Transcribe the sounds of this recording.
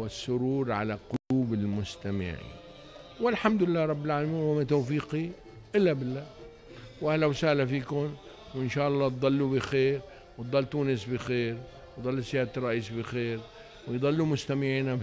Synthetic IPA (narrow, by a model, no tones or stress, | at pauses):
wɪsːʊɾuːɾʕa̰laqʊluːbɪlmʊst̪amɪ̰ʕḭːn | wɪlħamd̪lɪlːaːɾˤɑbːɪlʕaːlamiːnnwamat̪aːfiːqi | ʔɪlːabɪlːaː | wʔahlawsaʔlafiːkʊn | wɪnʃaːʔɑlˤːɑːt̪̚d̪ˤɑlːubixeːɾ | wt̪d̪ˤɑlːt̪uːnɪsbixeːɾ | wtd̪ˤɑlːsjaːt̪ɾˤɑʔiːsbixeːɾ | wɪjd̪ˤɑlːumʊst̪amɪʕiːna